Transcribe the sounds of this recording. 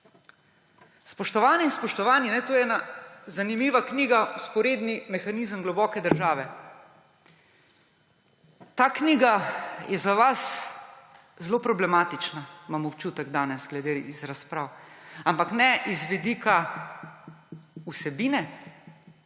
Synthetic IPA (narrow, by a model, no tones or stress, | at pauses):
spɔʃt̪ɔʋaːniːnspɔʃt̪ɔʋaːninɛt̪oːɛːnazanimiːʋakniːɡauspɔɾeːd̪nimɛxanizəmɡlɔbɔːkɛd̪əɾʒaːʋɛ | t̪aːkniːɡajɛzaʋas | zlopɾɔblɛmaːt̪it͡ʃnamaːmɔwt͡ʃuːt̪ɛɡd̪aːnɛsɡlɛd̪eizɾaspɾaːwampaknɛʔizʋid̪ikʰa | usɛbiːnɛ